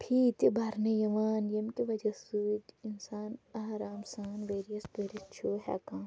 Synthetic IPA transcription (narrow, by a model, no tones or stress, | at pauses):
pʰiːt̪ibaɾnejɐʋaːnjɐmkiʋɐd͡ʒɐsuitinsaːnaɦɾaːmsaːnʋeːɾijɐspeːɾist͡ʃʰoːɦɛ̰ːkãː